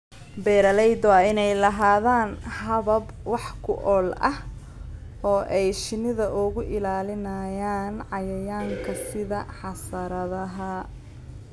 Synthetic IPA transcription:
bɛːɾɐlɛjd̪wːɪnɛjlɐɦaːðaːnhɐβɐbwɑħkʰʊʔɔːlʔɐ̰h | ɔːʔɛjʃɪnɪðɐʔʊɣʊʔɪlaːlɪnɐjaːnʕɑjɐjaːŋkʰɐsɪðɐħɑsɐɾɐðɐɦɐ

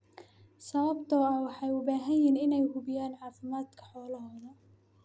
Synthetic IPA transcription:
sɐβɐbt̪ʰɔɐwɑħɑjʊbaːɦɐjinɪnɛjhʊβɪjaːnʕɑːfɪmaːd̪kʰɐ̥ħɔːlɐɦɔːðɐ

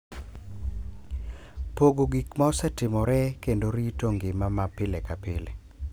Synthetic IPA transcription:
poɡoɡikmaɔsɛtɪmɔɾɛkendoɾitoŋɡɪmamapɪlekapɪle

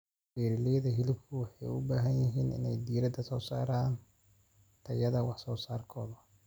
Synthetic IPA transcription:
biːɾɪlɛðɐɦɪlɪbkʰʊwɑħɑjʊbaːɦɐnjɪɦiːnɪ̰nɛjd̪iːɾɐd̪ɐsɔːsa̰ːɾaːn | t̪ʰɐjɐðɐwɑħsɔːsaːrkʰɔːðɐ

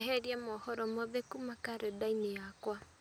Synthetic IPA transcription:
ɦɛɾiamɔhɔɾɔmɔðekumakaɾɛdainejakwa

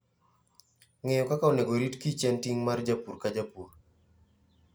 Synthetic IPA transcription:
ŋejɔkakaoneɡoɾitkit͡ʃɛntiŋmard͡ʒapuɾkad͡ʒapur

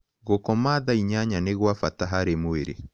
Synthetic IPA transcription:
ɣokɔmaðaiɲaɲaneɣwafataɦaɾemoeɾḛ

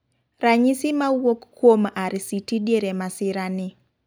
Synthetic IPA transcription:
raɲisɪmawokkːwomaɾsitidjeɾemasɪɾanɪ

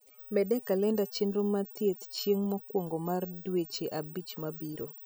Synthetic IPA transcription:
mɛdɛkalɛndat͡ʃɪnɾomat̪jet̪t͡ʃjeŋmɔkwoŋɡomardwet͡ʃeʔabit͡ʃmabiɾo

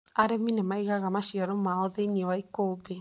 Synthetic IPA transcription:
aɾeminemaiɣaɣamaʃiaɾomaoðeiniowaikoːbe

